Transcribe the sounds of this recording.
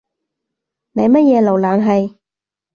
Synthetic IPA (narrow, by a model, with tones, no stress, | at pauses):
nɐ˨jmɐ˥t̚jɛː˨˧lo˨˩wlaː˨˩nɦɐ˨j